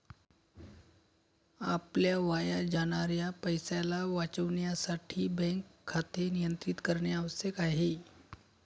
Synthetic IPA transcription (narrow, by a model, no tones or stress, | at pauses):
apljaʋajad͡ʒaɽ̃aɾjapəjsalaʋat͡ʃəʋɳjasaʈʰibɛ̃ŋkʰːat̪enijənt̪ɾit̪kəɾɳjaːʋəsjəkaɦe